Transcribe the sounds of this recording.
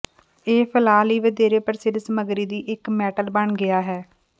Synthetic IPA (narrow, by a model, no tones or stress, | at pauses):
eːpʰəlaːliːʋəd̪eːɾeːpəɾsɪɾsəməɡɾiːd̪iːʔɪkmɛːʈəlbəɳɡɪaːɦɛː